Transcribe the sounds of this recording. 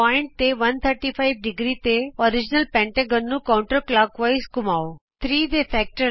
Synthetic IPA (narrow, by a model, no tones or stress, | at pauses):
aɪɳʈ̚t̪eʋɐnt̪ʰəɾʈifʰaɪʋɖɪɡɾit̪eɔɾɪd͡ʒnəlpɛ̃ːɳʈeɡənːũkaw̃ɳʈəɾklaːkʋɐjskʊmaːot̪ʰɾiːd̪efɛːk̚ʈəɾ